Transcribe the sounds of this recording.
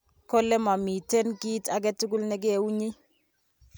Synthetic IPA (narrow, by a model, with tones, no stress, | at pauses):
kɔ˦lɛ˦ma˨mi˨te˦nki˦ta˦k̬ɛ˦tu˦ɡʊ˦lnɛ˦k̬ɪ˦e˨˦u˦ɲi˦